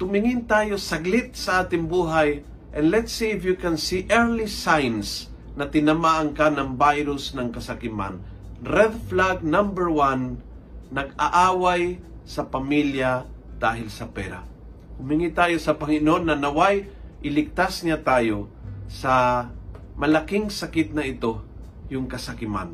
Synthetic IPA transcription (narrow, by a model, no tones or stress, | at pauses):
t̪ʊmɪŋɪnt̪aːjosɐɡlɪt̪̚sɐʔaːt̪ɪŋbuːɦaj | ʔɛnlɛt̪sifjukɛnsiʔɛɹlisajns | nɐt̪ɪnɐmaʔaŋkanaŋbajɾʊsnɐŋkɐsakɪma̰n | ɾɛd̪flaɡ̚nãmbɛɹwanː | ɐɡa̰ʔaːwaj | sɐpɐmiljad̪̥aːɦɪlsɐpɛɾa̰ | hʊmɪŋit̪aːjosɐpɐŋɪnoʔnːɐnɐwajʔɪlɪɡ̚t̪asɲat̪aːjo | sɐ | mɐlakɪŋsɐkɪt̪̚nɐɪt̪o | jʊŋkɐsɐkɪma̰n